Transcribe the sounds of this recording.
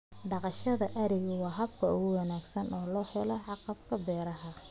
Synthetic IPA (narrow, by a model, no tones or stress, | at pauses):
ɖɑqɑʃɐðɐʔɐɾɪɣʊwɑːɦɐbkʰɐʊɣʊwɑnaːɡsɐnʔɔːlɔːħɛlɔʕɑqɑbkʰɐbɛːɾɐɦɐ